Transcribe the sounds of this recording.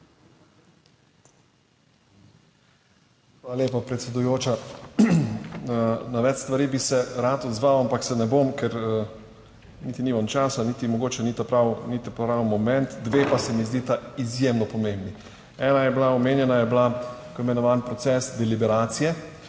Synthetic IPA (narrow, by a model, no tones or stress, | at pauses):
xʋalaljeːpapɾɛt̪sʲɛd̪ujoːt͡ʃa | naʋɛt͡ʃst̪ʋaɾiːbisɛɾaːt̪ɔd̪zʋaːwampaksɛnɛbomkɛɾ | nit̪inimɔnt͡ʃaːsanit̪imɔɡoːt͡ʃɛnit̪apɾawnit̪apɾawmɔmɛnt̪d̪ʋeːpasɛmizd̪it̪aizjemnɔpɔmẽmbni | ɛːnajɛblaɔmeːnjɛnajɛblakoimɛnɔʋaːnpɾɔt̪sɛsd̪ɛlibɛɾaːt̪sijɛ